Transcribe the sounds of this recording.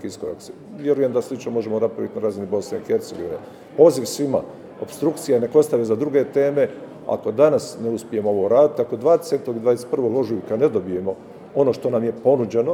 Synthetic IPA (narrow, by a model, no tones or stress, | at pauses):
kiiskoɾa̰ksi | ʋje̞ɾuje̞md̪aslˠit͡ʃnomo̞ʒe̞monapɾaʋḭt̪inaɾaːzinibo̞sneixe̞ɾt̪se̞ɡo̞ʋinḛ | po̞ːziʋsʋima̰ | o̞pst̪ɾukt̪sijaneko̞st̪aʋezad̪ɾuɡe̞t̪e̞ːme̞ | a̰ko̞d̪anasneuspije̞mooʋo̞ɾaːd̪it̪iako̞d̪ʋaːd̪ese̞t̪o̞ɡid̪ʋaːese̥t̪pr̩ʋo̞ːɡoʒujukane̞d̪o̞bije̞mo̞ | o̞no̞ːʃt̪o̞namje̞po̞nud͡ʑe̞no